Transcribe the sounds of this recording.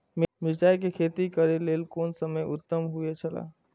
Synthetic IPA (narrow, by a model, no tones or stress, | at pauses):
mmɪd͡ʒaːjkekʰet̪ikəɾeleːlkoːnsəməjʊt̪ːəmɦuet͡ʃʰəla̰